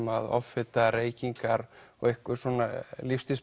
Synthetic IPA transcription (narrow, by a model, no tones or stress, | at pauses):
maðɔ̰ffɪt̪areːjciŋkaɾɔ̰ɣehkʏɾ̥sɔːnalifst̪is